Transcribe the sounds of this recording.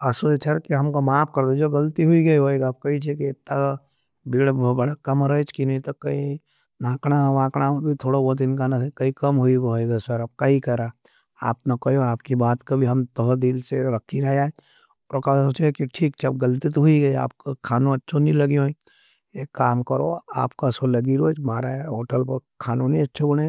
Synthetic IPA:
ɐsot͡ʃʰɐɾkiɦɐmkomaːpʰkɐɾd̪ed͡ʒoɡɐlt̪iɦuiɡɐiɦoeɡaːb̚kɐit͡ʃʰekit̪ːa | biːɽbɐɽakɐmɾət͡ʃkinɐĩt̪ɐkːɐi | nãːkɽaʋãːkɽ̃abʱit̪ʰoːɽabɔːt̪̬ɪnkanɐsekɐikɐmɦuioɦoeɡasɐɾɐb̚kaɦikɐɾa | a̰ːp̚nɐkɐjoaːp̚kibaːt̪kabʱiɦɐmt̪ɐɦd̪ilseɾɐkʰːiɾɐɦaː | pɾokasot͡ʃɛkiʈʰiːkt͡ʃʰɐbɡɐlt̪ɪt̪ɦuiɡɐia̰ːp̚kokʰaːnõɐtːʃʰonĩlɐɡiɦõi | ekaːmkɐɾo̰a̰ːpkasolɐɡiɾoːt͡ʃbaːɾaɦoːʈəlpɐɾkʰaːnõnĩɐtːʃʰebɐɽ̃ẽ

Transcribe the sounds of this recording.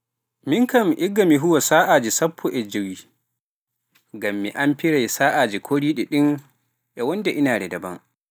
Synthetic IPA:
mɪŋkɐmʔɪɡamiɦʊwasaːʔaːd͡ʒisɐpʰːɔʔɛd͡ʒɐwiː | ɡɐmːḭʔampɪɽajsaːʔaːd͡ʒikʰʷoːɽiːɗiɗɪŋ | ʔɛwɐndaʔɪnaːdɛdɐbɐŋ

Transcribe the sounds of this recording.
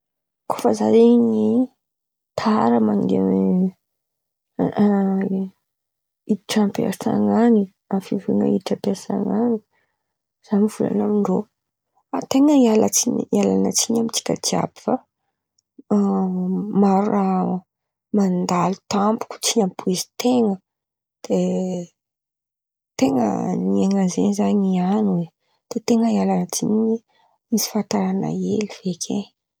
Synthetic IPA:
kʰo̥fəzaɾeɲi | t̪ʰaɾəmaŋɡḛni | iʈ͡ʂampea̰sa̰ŋani | afivuŋə̰iʈ͡ʂapeasa̰ŋani | z̥amiv̥ula̰namiɳɖ͡ʐo | at̪eŋəialat͡siɲialanat͡siɲamit͡si̥kʲa̰t̪ia̰bi̥fa | maɾura | mand̪alu̥t̪ampu̥kʲu̥t͡siɲampʰuizi̥t̪eŋə | d̪̥e | t̪eŋə̰nieŋazḛnzaɲianue | d̪̥et̪eŋəialanət͡sḭɲi | misi̥fant̪aɾana̰eliv̥ekʲʰe

